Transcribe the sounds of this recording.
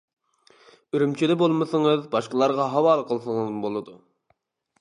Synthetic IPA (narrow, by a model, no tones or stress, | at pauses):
yɾymt͡ʃʰid̪ɛbolˠməsəŋəzbɑʃqəlˠɑɾʁɑɦɑwɑːlˠqʰəlˠsəŋəzmbolˠɨd̪u